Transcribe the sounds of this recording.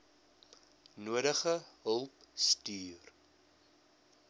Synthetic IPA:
nuəɾəχəɦəlˠpstyːr

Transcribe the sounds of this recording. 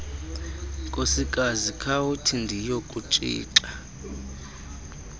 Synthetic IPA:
kʼosikʼazikʰawutʰindʱijokʼut͡ʃʼḭːǀa

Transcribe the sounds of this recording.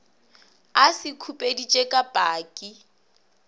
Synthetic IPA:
asɪkʰupʼedit͡ʃʼekʼabʼaːkʼi

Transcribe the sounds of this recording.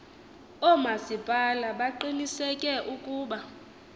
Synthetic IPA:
ɔmasib̥ʱʼalaɓaǃinisɛkʼɛʔukʼuːɓa

